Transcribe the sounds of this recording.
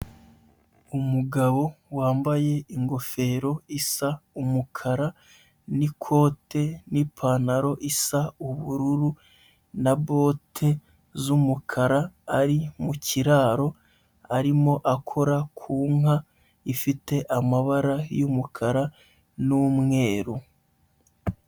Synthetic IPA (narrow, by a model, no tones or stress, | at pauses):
umuɡaβo̞waːmbaje̞iŋɡo̞fe̞ɾo̞isaumukʰaɾa | nikʰo̞ːte̞nipʰaːnaɾo̞ʔisauβuɾuɾu | naβo̞ːtʰe̞ | zumukʰaɾaːɾimuciɾaːɾo̞ | aɾimo̞ʔakʰo̞ɾakʰuːŋɦa | ifite̞ʔamaβaɾajumukʰaɾa | numŋe̞ːɾu